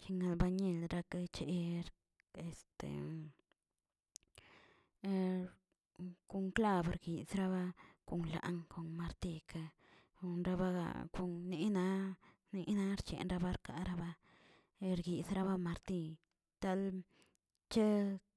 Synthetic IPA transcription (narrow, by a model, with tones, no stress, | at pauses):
t͡ʃi˧ŋa˧lba˧ɲe˦˧˨lɾa˧ka˦t͡ʃe˧˦˧ɾ | e˨st̪ḛ˨ | ku˧ŋkla˦bɾɡi˨sɾa˦ba˦ku˨ŋla̰˨ʔŋko˨nma˧ɾt̪i˧ka˧ | nɾa˦ba˦ɡa̰˨ku˧ŋni˧˦na˧˦ | ni˧˦na˧˦ɾt͡ʃḛ˨nɾa˧ba˦ɾka˨ɾa˦ba˦ | ɾɡi˨sɾa˦βa˦ma˧ɾt̪i˧ | t̪a˦l | t͡ʃe˦